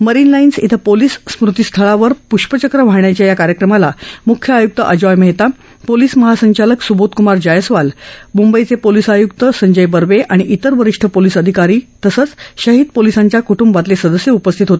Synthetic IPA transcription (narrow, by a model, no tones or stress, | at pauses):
məɾinlainsḭt̪ʰəpoliːsːmɾut̪ist̪ʰəɭaʋəɾpuɕpət͡ɕəkɾəʋ̤aɳjat͡ɕjajakaɾjəkɾəmalamukʰjəajuk̚t̪əʔəd͡ʑɔjməɦt̪a | poliːsməɦasəɲt͡ɕaləksubot̪kumaɾd͡ʑajəsʋalmumbəjt͡sepolisajukt̪əsəɲd͡ʑəjbəɾʋeʔaɽ̃iʔit̪əɾʋəɾiʂʈʰəpolisəd̪ʱikaɾiːt̪əsət͡sɕəɦid̪̚polisaɲt͡ɕjakuʈumbat̪lesəd̪əsjəupəst̪ʰit̪ɦot̪e̥